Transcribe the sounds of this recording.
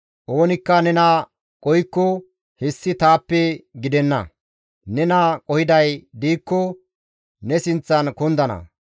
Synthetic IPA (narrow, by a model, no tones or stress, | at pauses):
ʔoːnɪkːɐnɛnɐ | kʼɔjkːɔ | hɛsːɪt̪aːpːɛɡɪd̪ɛnːɐ̰ | nɛnɐkʼɔhɪd̪ɐjd̪iːkːɔ | nɛsɪnt͡sːɐnkʊnd̪ɐnɐ̰